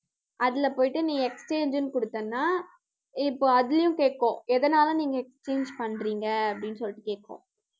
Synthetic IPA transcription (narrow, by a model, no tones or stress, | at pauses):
ɐðɪlɐpoːjɪʈːɯnĩːŋɡɐɛkst͡ʃeːɲd͡ʒɯnːkɔɽɯt̪ːɐnːaː | ɪpːoːɐðɪlɐjʊ̃keːʈ̚kːõːɛðɐnaːlɐniːŋɡɐɛkst͡ʃeːɲd͡ʒpɐɳɾiːŋɡɐɐpːɐɽɪnsɔlːɪʈːɯkeːʈ̚kːõ̰ː